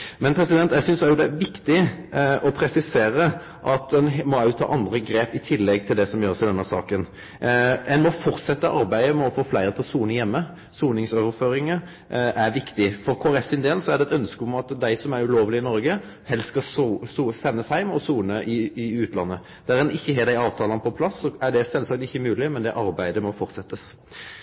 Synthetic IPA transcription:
mɛnpʰɾɛsɪd̪ɛnt̪jɛɪsʏnsæɾjʊd̪ɛæʋɪkt̪ɪʔɔpʰɾɛsɪseːɾə | ʔɑt̪̚ɛnmɔɑʉt̪ʰːɑ̰ːʔɑnd̪ɾəɡɾeːpɪt̪ʰɪlːɛɡt̪ʰɪld̪ɛsɔmjøːɾəsɪd̪ɛnːəsɑ̰ːkən | ɛnmɔfɔɾt̪sɛt̪ːəʔɑɾbæɪəmɛɔfoːflæɪɾət̪ɪlɔsuːnəjɛmːə | suːnɪŋsoːʋəɾføːɾɪŋə | ʔæɾʋɪkt̪ɪfɔɾkʰoːæɾɛfsɪnd̪eːlsɔæɖ̪ɛt̪œnskəʊmɑt̪d̪æɪsɔmæɾʉloːʋəlɪɪnɔɾɡə | hɛlsskɑsuːsɛnːəshæɪmɔsuːnəʔɪɪʉːt̪lɑ̰nːə | d̪̥æɾɛnɪçːəheːd̪æɪɑːʋt̪ʰɑːlɑnəpʰɔpʰlɑsːɔæɖɛsɛlsɑk̚t̪ɪçːəmʉːlɪmɛnd̪ɛʔɑɾbæɪd̪əmɔfɔɾt̪sɛt̪ːəs

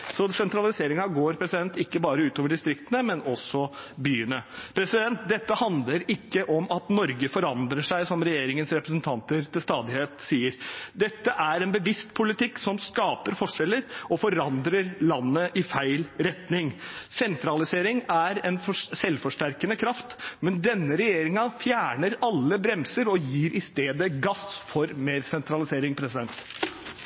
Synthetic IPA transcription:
sɔsɛnt̪ɾɑlɪseːɾɪŋɑɡoːɾpʰɾɛsɪd̪ɛnt̪ɪkːəbɑːɾəʉːt̪oːʋəɖɪst̪ɾɪkt̪ənəmɛnɔsɔbyːənəpʰɾɛsɪd̪ɛnt̪̚d̪ɛt̪ːəhɑnd̪ləɾɪkːəʔɔmɑt̪nɔɾɡəfɔɾɑnd̪ɾəʂæɪsɔmɾɛjeːɾɪŋənsɾɛpɾəs̬ənt̪ʰɑnt̪əɾt̪ɪlst̪ɑːd̪ɪheːt̪siːəɾd̪ɛt̪ːəʔæɾɛnbəʋɪst̪pʰʊlɪt̪ɪksɔmskɑːpəɾfɔʂɛlːəɾɔfɔɾɑnd̪ɾəɾlɑnːəʔɪfæɪlɾɛt̪nɪŋsɛnt̪ɾɑlɪseːɾɪŋæɾɛnfsɛlfɔʂʈæɾkənəkʰɾɑft̪mɛnd̪ɛnːəɾɛjeːɾɪŋɑfjæːɳəɾɑlːəbɾɛmsəɾɔjiːɾʔɪst̪eːd̪əɡɑsfɔɾmeːɾsɛnt̪ɾɑlɪseːɾɪŋpʰɾɛsɪd̪ɛnt̪

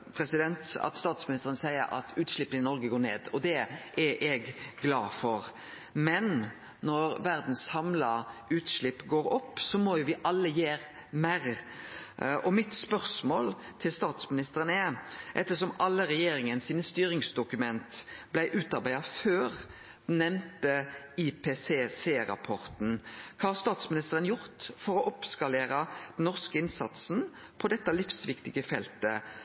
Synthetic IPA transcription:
pʰɾɛsɪd̪ɛnt̪ɑ̰t̪st̪ɑːt̪smɪnɪst̪əɾənəsæɪə̰ɾɑ̰t̪ʰʉːt̪ʂɭɪpːənɪnɔɾɡəɡoːnḛːd̪ɔd̪ɛʔɛʔɛɡɡlɑ̰ːfɔɾ | mɛnː | ɔɾʋæɾd̪n̩sːɑmlɑʉːt̪ʂɭɪpːɡoːɾɔpːsɔmɔjʊʋɪʔɑlːəjeːɾ | mæɾ | ʔɔmɪt̪spœʁsmoːlt̪ʰɪlst̪ɑːt̪smɪnɪst̪əɾənəɛʔɛt̪ːəsɔmɑlːəɾɛjeːɾɪŋənsiːnəst̪yːɾɪŋsd̪ʊkʉmɛnt̪blæɪʔʉːt̪ɑɾbæɪɑføːɾ | d̪̥nːɛmt̪ə | ɪpʰeːseːseːɾɑ̰pʰɔɾt̪n̩kʰɑːɑst̪ɑːt̪smɪnɪst̪əɾənjʊɾt̪fɔɾɔʔɔpskɑleːɾəd̪̥ɛnnːɔʁskəɪnsɑt̪sn̩ | pʰɔd̪ɛt̪ːɑlɪfsʋɪkt̪ɪɡəfɛ̰lt̪ə

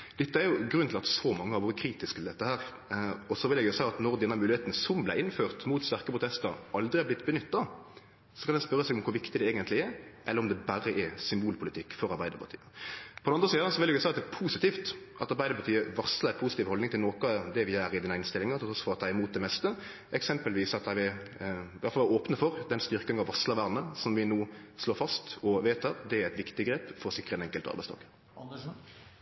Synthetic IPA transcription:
d̪̥ɛt̪ːəæɾjʊɡɾʉnːt̪ʰɪlɑt̪sɔmɑŋːəhɑɾʋoːɾəkʰɾiːt̪ɪskt̪ɪld̪ɛt̪ːəhæːɾ | ɔsɔʋɪljɛɡjʊsæɪɑt̪nɔɾd̪ɛnːəmʉːlɪheːt̪nsɔmblæɪɪnføːʁt̪muːt̪st̪æʁkəpʰʁʊt̪ɛst̪əɾʔɑld̪ɾɪɑb̪lɪt̪ːbənʏt̪ːɑ | sɔkʰɑnɛnspœɾəsɛɡɔmkʰʊɾʋɪkt̪ɪd̪ɛeːɡənt̪lɪɛɾʔɛləɾɔmd̪ɛbæɾəʔɛsʏmbuːlpʰʊlɪt̪ʰɪkːfɔɾɑɾbæɪd̪əɾpʰɑt̪y̰ːəpʰɔd̪ɛɑnʁəsiːd̪ɑsɔʋɪljɛɡʊsæɪɑt̪d̪ɛpʰuːsɪt̪iːft̪ʔɑt̪ɑɾbæɪd̪əɾbɑt̪ʰyːəʋɑsləɛpʰuːsɪt̪iːʋhɔld̪ɪŋt̪ɪlnoːkəɑd̪ɛʋɪæːɾɪd̪ɪnæɪnst̪ɪlːɪŋəɑt̪t̪ʰɔsfoːɾt̪ʰːɑɪɪmuːt̪̚d̪ɛmɛst̪ə | ʔɛksɛmpəlʋiːsɑt̪ɑʋɪ | ʋæt̪fɑlʋoːpnəfɔɾd̪ɛnst̪ʏɾkəɪŋɑʋɑslɑʋæʁnəsɔmʋɪnuːsloːfɑst̪ɔʋeːt̪ʰɑtd̪ɛæɾæɪt̪ʋɪkt̪ɪɡɾeːpfɔɾsɪkːɾəɛnɛŋkːəlt̪ɑ̰bæɪst̪ʰɑ̰ːkə̥

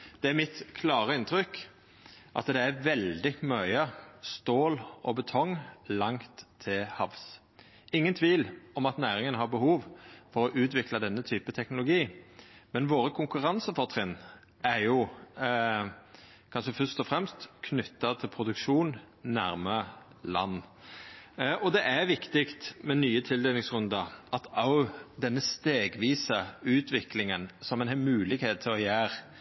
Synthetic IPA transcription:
d̪̥ɛæɾmɪt̪kʰlɑːɾəɪnt̪ɾʏkː | ʔɑ̰t̪d̪ɛæɾʋɛld̪ɪmœʏəst̪oːlʔɔbət̪ʰɔŋlɑŋt̪ʰːɪlhɑʋs | ɪŋːənt̪ʰʋiːlɔmɑt̪næːɾɪŋənɦɑɾbəhuːʋfɔɾɔʔʉːt̪ʋɪklɑd̪ɛnːət̪ʰyːpət̪ʰɛknʊlʊɡiːmɛnʋoːɾəkʰʊŋkʉɾɑnsəfɔʁt̪ʰʁɪnː | æɾjʊ | kʰɑnʃəfœst̪ɔfʁɛmst̪kʰnʏt̪ːɑt̪ʰɪlpʰɾʊd̪ʉkʃuːnː | æɾmə | lɑ̰nː | ʔɔd̪ɛʔæʋɪkt̪ɪkt̪mɛnyːət̪ʰɪld̪eːlɪŋsʁʉnd̪ɑʔɑt̪ɑʊd̪ɛnːəst̪eːɡʋiːsəʉːt̪ʰʋɪklɪŋənsɔmɛnhɛmʉːlɪɡheːt̪ʰːɪlɔjæːɾ

